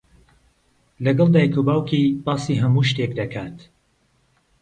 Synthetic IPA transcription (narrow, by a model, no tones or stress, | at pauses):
lɐɡɐlˠd̪aːjkʰubaːwkʰibɑːsiːɦɐmuːʃt̪eːkd̪ɐkʰaːt̪